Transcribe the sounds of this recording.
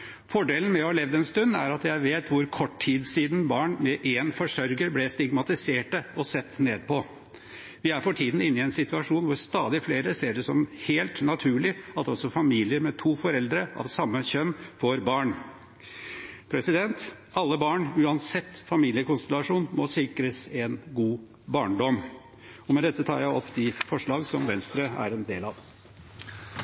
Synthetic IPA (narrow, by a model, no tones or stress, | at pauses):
fɔɖeːlən̩mɛɔɑlɛːʋd̪əɛnst̪ʉnːæ̰ɾɑt̪jæɪʋeːt̪ʋʊɾkʰɔʈʰiːd̪siːd̪n̩bɑːɳmɛʔeːnfɔʂœɾɡəɾblɛst̪ɪɡmɑt̪ɪseːʈəɔsɛt̪ːneːd̪̚pʰɔ | ʋɪæɾfɔʈʰiːd̪n̩ɪnːɪɛnsɪt̪ʉɑʂuːnʋʊɾst̪ɑːd̪ɪfleːɾəseːɖɛsɔmheːlt̪nɑt̪ʰʉːɭɪɑt̪ɔsɔfɑmiːlɪəɾmɛt̪ʰuːfɔɾɛld̪ɾəʔɑ̰ʋsɑmːəɕœnːfɔɾbɑːɳ | pʰɾɛsɪd̪ɛnt̪ | ɑlːəbɑːɳʉːɑnsɛt̪ːfɑmiːlɪəkʊnst̪ɛlɑʂuːnmɔsɪkɾəsɛnɡuː | bɑːɳɖɔm | ɔmɛd̪ɛt̪ːət̪ʰɑ̰ːɾjæɪɔpːd̪ɪfɔʂɭɑːɡsɔmʋɛnst̪ɾəæ̰ɾɛnd̪eːlɑʋ